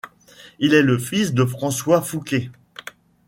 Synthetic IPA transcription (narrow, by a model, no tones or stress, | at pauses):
ilɛləfisd̪əfχɑ̃swafukʲe